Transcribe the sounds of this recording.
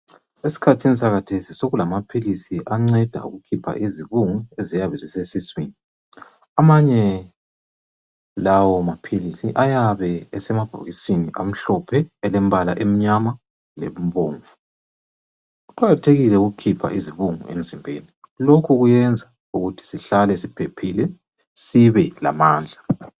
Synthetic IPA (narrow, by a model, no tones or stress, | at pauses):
esi̥kʰatʰinis̬aɣatʰesisoɣulamapʰilisiʔaŋ͡ǀɛd̥ʱa̰ṵɣukʰipʰa̰ʔiziβuŋuezijaβɛzɛsesiswini | amaɲɛ | lawɔmapʰilisiʔajaβɛɛsɛmab̥ʱo̰ɣisiniʔam̩ɬɔpʰɛːlembala̰ʔem̩ɲama | lḛmβoːɱvu | uǃaɣatʰeɣilɛuɣukʰipʰa̰ʔiziβuŋṵḛm̩zimbʱeni | lokʰuɣujɛnd͡zʱa | uɣutʰi̥siɬalɛsipʰepʰilɛ | siβɛla̰maːnd͡ɮʱa